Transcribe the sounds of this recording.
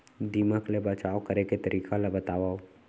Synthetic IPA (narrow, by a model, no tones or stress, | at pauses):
d̪iːməklebɐt͡ʃaːokɐɾeket̪ɐɾʔiːkalɐbət̪aːʋaːo